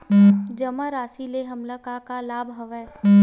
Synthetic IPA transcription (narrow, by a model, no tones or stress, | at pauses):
d͡ʒɐmaɾaːsileɦɐmlakakalaːbɦɐʋɛː